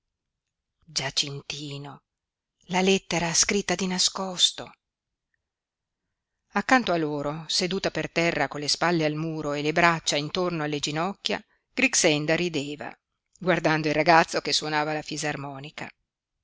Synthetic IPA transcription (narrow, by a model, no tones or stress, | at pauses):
d͡ʒat͡ʃint̪iːno | lalɛt̪ːeɾaskɾit̪ːad̪inaskɔst̪o | akːant̪oalːoːɾosed̪uːt̪apert̪ɛrːakolːespalːealmuːɾoelebɾat͡ʃːaint̪ornoalːed͡ʒinɔkːja̰ | ɡ̥ɾiksɛnd̪aɾid̪eːva̰ | ɡward̪and̪oilraɡat̪sːokesːwonaːvalafizarmɔːnika̰